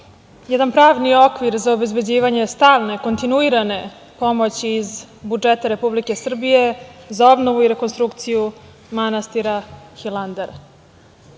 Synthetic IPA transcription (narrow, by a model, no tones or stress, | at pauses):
jɛd̪anpɾaːʋnio̞kʋiɾzaobe̞zbe̞d͡ʑiːʋaɲe̞st̪aːʋne̞ko̞nt̪inuiɾane̞ | po̞mo̞t͡ɕiːzbud͡ʒet̪aɾe̞publike̞sr̩bije̞zao̞bno̞ʋuiɾe̞ko̞nst̪ɾukt̪siju | manast̪iɾaxilˠand̪eɾ